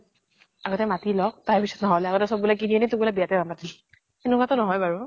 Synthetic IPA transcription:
aɡɔtɛmatilɔk̚taɹpisɔ̥tnɔɦɔlaɡɔtɛsɔbbulakiniɛnɛtukbulabijatɛbampatil | enʊkatɔnɔɦɔjbaɹu

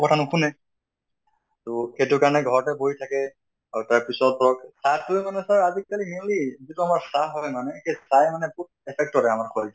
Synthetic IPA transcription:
kɔtʰanʊkʰunɛ | tɔxetukaɹɔnɛɡʱɔɹɔtɛboitʰakɛ | aɹutaɹpisɔt̚bʱɹɔksatujmanɛsaɹazikːalimilizituamaɹsaɦɔjmanɛxesajmanɛput̚ɛpʰɛk̚tɔtɛamaɹkʰɔl

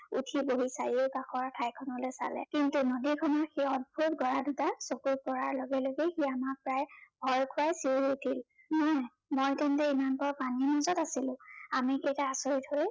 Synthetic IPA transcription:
ṵtʰiboɦisaɹioʊkaxʰɔɹtʰajkʰɔnɔlojsa̰lɛ̰kintunodikʰɔnɔɹxiɔd̚bʱutɡɔɹadutasokut̚kɔɹaɹlɔɡɛloɡexiamak̚pɹajbʱɔjkʰʊajsiɹutʰil | nɔ | mojtɛntɛimanpɔɹpaninɔzɔtasilʊ̃amikejtaasoɹitʰhoj

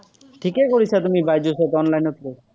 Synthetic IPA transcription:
ʈʰikekoɾit͡ɕʰat̪umibajd͡ʑoset̪ɔnlajnot̪le

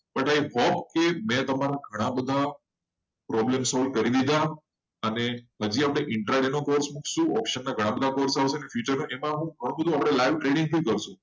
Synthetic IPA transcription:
bəʈaiɦɔpkemɛ̃t̪əmaɾaɡʱəɽ̃ãbəd̪ʱa | pɾɔblemsɔlɖ̚kəɾid̪id̪a | əneɦəd͡ʒiapɽ̃eʔɪɳʈɾaɖenokoɾsmukʰʃũɔpʃənːaɡʱəɽ̃ãbəd̪ʱakoɾsaʋsenefjut͡ʃəɾnoʔemãɦũɡʱəɽ̃ũbəd̪ʱũapɽ̃elaiʋʈɾeɖɪ̃ŋɡ̚t̪ʰikəɾʃũ

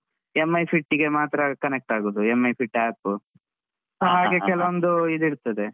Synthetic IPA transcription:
emːɐjpʰiʈːiɡe̞maːt̪ɾɐkɐnek̚ʈaːɡoːd̪uemːɐjpʰiʈːaːpːu | ɦaːɡekɛlɐʋond̪uid̪iɽt̪ɐd̪e

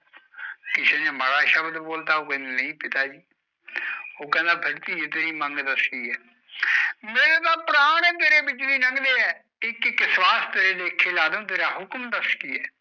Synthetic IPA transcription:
kɪseːneːməɽaːʃəbd̪boːlt̪aːoːkɛ̃ːnd̪nəĩːpɪt̪aːd͡ʒiː | oːkɛ̃ːnd̪ãːbʱəɽt̪iːet̪eːɾiːməŋɡd̪əskiːɛː | meːnẽːt̪ãːpəɾaːɽ̃ẽːt̪eːɾeːbɪt͡ʃd̪iːnəŋɡd̪eːɛː | ɪkkːswaːst̪eɾeːd̪eːkʰːeːlaːd̪õːt̪̬eːɾaːɦʊkmd̪əskiːɛː

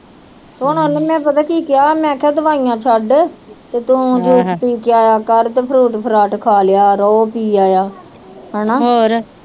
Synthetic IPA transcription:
soːnoneːmɛ̃ːpət̪aːkiːkɪjaːmɛ̃ːkʰɛːd̪əʋaːijãːt͡ʃʰəɖt̪eːt̪ũːd͡ʒuːt͡ʃpiːkaːjaːkəɾt̪eːpʰɾuːʈpʰɾaːʈkʰaːlejaːɾɔːpiːaːjaː | ɦɛːnaːɦoːɾ

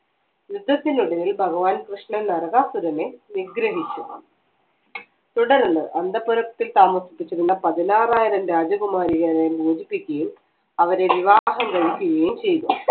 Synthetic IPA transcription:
jud̪ʱːɐt̪ːinuɽɐlilbʱɐɣɐʋaːnkrɨʂɳɐnɐrɐɣaːsuɾɐne̞niɡɾɐɦit͡ɕːu | t̪uɽɐɾnɨʔɐnd̪ʱɐpuɾɐkt̪ːilt̪aːmɐsipːit͡ɕːɐɾunːɐpɐðinaːraːjiɾɐmɾaːd͡ʑɐɣumaːɾiɣaɾɐjibuːd͡ʑipːikʲːɐjum | ɐʋɐɾe̞ʋiʋaːɦɐmkɐɻikʲːuɣɐjumt͡ɕe̞jtum

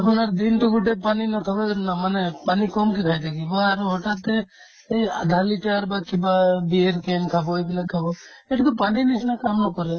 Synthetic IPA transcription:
apɔnaɾd̪int̪uɡuʈepaninɔt̪ʰakanamanepanikɔmkekʰajt̪ʰakibaːɾuɦɔʈat̪ːe | eja̰d̪ʱaliʈaɾbakibabieɾkemkʰabɔebilakʰabɔ | ɛʈɔkɔpaɳɖinisnakamnɔkɔɾɛ

